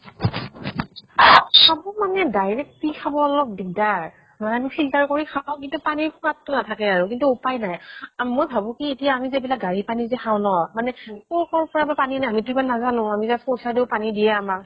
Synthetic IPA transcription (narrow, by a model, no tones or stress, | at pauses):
amumanɛdajɹɛk̚tikʰabɔɔlɔk̚didaɹ | manɛamipʰiltaɹkoɹikʰaw̃kintupaniɹkʰuatːʊnatʰakɛaɹukintuupajnajmojbʱabukietijaːmizebilak̚ɡaɹipanizɛxʰaw̃nɔmanɛkɔkɔɹpɔɹabapaninajamituɹipalnazanʊ̃amizaskosadeʊpanidijɛamak